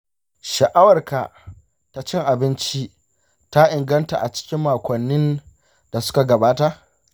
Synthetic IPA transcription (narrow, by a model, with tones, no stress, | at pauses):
ʃɐ˨ʔa˦wɐ˨rka˨ | ta˦t͡ʃɪ˦ŋʔa˨bɪ˦nt͡ʃi˦ | ta˦ʔɪ˨ŋɡɐ˦nta̰˨ʔa˨t͡ʃɪ̥˦kʲɪ˦mːaː˨kʷɐ˨nːɪ˦n | d̥a˨sʊ̥˦ka˨ɡɐ˨baː˦ta˦